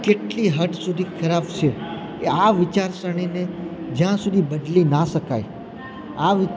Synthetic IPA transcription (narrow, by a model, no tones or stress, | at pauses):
keʈliɦəʈsud̪ʱikʰəɾaft͡ʃʰekeaʋɪt͡ʃaɾsəɳ̃ined͡ʒjãsud̪ʱibəd̪linaʃəkaj | aʋɪ